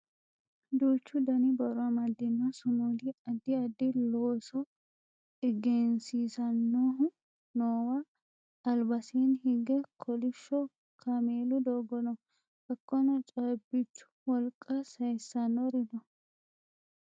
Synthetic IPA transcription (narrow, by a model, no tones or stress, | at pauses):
d̪uːt͡ʃːʊd̪ɐnɪbɐɾʊɐmɐd̪ːɪnːɔsʊnuːd̪ɪɐd̪ːɪɐd̪ːɪloːsɔ | ɪɡɛnsiːsɐnːoːhʊ | noːwɐ | ɐlbɐsiːnhɪɡːɛkʰɔlɪʃːɔ | kʰɐmeːlʊd̪oːɡɔnɔ | bɐkːɔnɔt͡ʃʼɐbɪt͡ʃːʊ̥wɔlkʼːɐsɐjsːɐnːɔɾɪd̪ɔ